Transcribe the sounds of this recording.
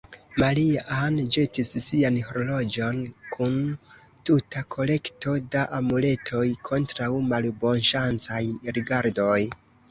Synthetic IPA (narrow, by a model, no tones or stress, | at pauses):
maliand͡ʒe̞tisːianhoɾolo̞d͡ʒo̞nkʰun | tutakʰo̞le̞kto̞daʔamule̞tʰo̞jkʰo̞ntɾawmalbo̞nʃant͡sajɾiɡaɾdo̞j